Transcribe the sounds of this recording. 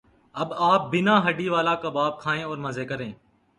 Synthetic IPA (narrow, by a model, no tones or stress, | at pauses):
əbaːp̚bɪnãːɦəɖiːʋaːlaːkaːbaːb̚kʰaːẽːɔːɾməzeːkəɾẽː